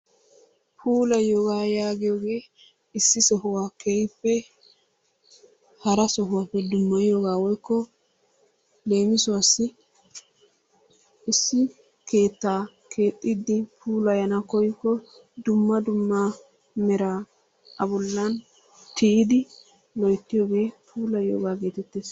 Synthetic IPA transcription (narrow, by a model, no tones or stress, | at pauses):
pʰuːlɐjoɡaːjaːɡɪjoːɡe̞ː | ɪsːɪsɔɦʊwakɛjpːɛ | hɐɾɐsɔɦʊwapːɛd̪ʊmːɐjɪjoɡaːwɔjkːɔ | le̞ːmɪsʊwɐsːɪ | ɪsːɪ | ke̞ːt̪ːaː | kʰe̞ːt̪ʼːɪd̪ːɪpʰuːlɐjɐnɐkɔjkːɔ | d̪ʊmːɐd̪ʊmːɐ | mɛɾa | ɐbɔlːɐn | t̪ʰɪʔɪd̪ɪ | lɔjt̪ːɪjoːɡe̞ːpʰuːlɐjjo̰ːɡaːɡe̞ːt̪ɛt̪ːeːs